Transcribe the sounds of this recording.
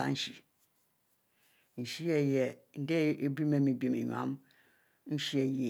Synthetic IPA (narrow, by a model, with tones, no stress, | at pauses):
a̰˨n̩˦ʃi˨ | n̩˨ʃi˦e˨je˨n̩˨˦de˦e˨bi˦me˦mi˨bi˦i˨me˨ɲa̰˦m | n̩˦ʃi˦e˨je˨